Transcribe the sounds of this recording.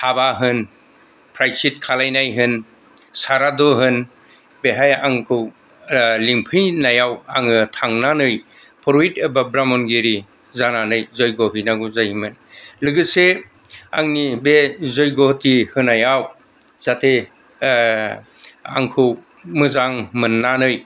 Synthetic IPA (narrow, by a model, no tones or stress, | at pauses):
tʰabaɦɯn | pʰɾajsit̚kʰalajnajɦɯn | saɾadɔɦɯn | beɦajaŋkʰɯw | liŋpʰɯjnajawaŋɯtʰaŋnanɯj | pʰɔɾitebabɾamɔnɡeɾi | zananɯjzɔjɡɔɦɯjnaɡuzajmɯnlɯɡɯse | a̰ŋnibezɔjɡɔtihɯnajaw | z̥atʰe | a̰ŋkʰɯw | mɯzaŋmɯnːanɯj